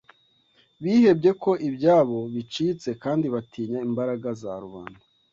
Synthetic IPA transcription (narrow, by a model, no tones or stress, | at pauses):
βiːhe̞bɟe̞ko̞ʔibɟaːβo̞βit͡ʃit͡se̞kaːndiβatiːɲaimbaɾaɡaza̰ɾuβa̰ːn̥hu